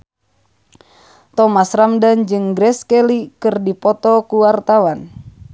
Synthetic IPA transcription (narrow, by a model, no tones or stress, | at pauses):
t̪ɔmasramdand͡ʒɨŋɡɾɛskɛlikɨrdipɔt̪ɔkuwart̪awan